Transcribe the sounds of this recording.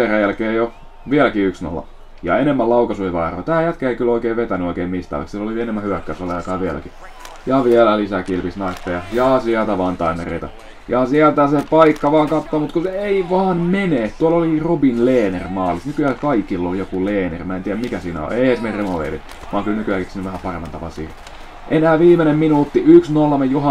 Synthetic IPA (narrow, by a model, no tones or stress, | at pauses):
eræjælkeːjo | ʋiælækiyksno̰lːɑ̰ | jɑ̰enemːælɑukɑsuiʋɑːro̰ːt̪æːjæt̪kæeikyloikeːʋet̪ænyoikeːmist̪ɑ̰lḛksilːolienemːæhyækːæsolːɑjɑkɑːʋiælæ̰ki | jɑʋiælælisækilpisnɑrt̪ːejɑjɑːsiælt̪æʋɑːnt̪ɑimerḛit̪ɑ̰ | jɑsiælt̪æsepɑikːɑʋɑːŋkɑt̪ːoːmut̪kuseeiʋɑːnmeneːt̪uɑlolirobinleːnermɑːlisnykyæːkɑikilːolijokuleːnḛrmæent̪iːæmikæsiːnæ̰o̰eeihesmeremoʋḛlḭ | ʋɑːŋkylnykyæːˑkiksiːnyʋæhæpɑremɑnt̪ɑʋɑ̰sḭːh | ʔenæːʋiːmenemminuːt̪ːiyksnolmejjohɑ